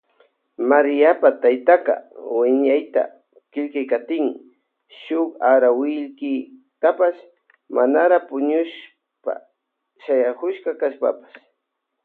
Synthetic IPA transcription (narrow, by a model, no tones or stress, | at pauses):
maɾɪjapat̪ajt̪aqɑ̰wɪɲajt̪a̰ | kɪʎkajkat̪ɪŋ | ʃʊkaɾawɪʎkɪ | t̪apas | manaɾapʊɲʊʃ | pa̰ | ʃajakʊʃkɑkaʃpa̰pḁs